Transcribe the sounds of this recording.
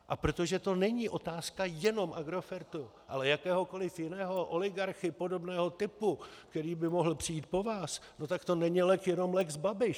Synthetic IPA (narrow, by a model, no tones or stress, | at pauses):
ʔapɾo̞t̪oʒɛt̪o̞nɛɲiʔo̞t̪aːskajɛno̞mʔaɡɾo̞fɛɾt̪uʔa̰lɛjakɛːɦo̞ko̞lɪfjɪnɛːɦo̞ʔo̞lɪɡaɾxɪpo̞do̞bnɛːɦo̞t̪ɪpukt̪ɛɾiːbɪmo̞ɦl̩pr̥ɪjiːt̪̚po̞vaːsno̞t̪akt̪o̞nɛɲilɛkjɛno̞mlɛkzbabɪʃ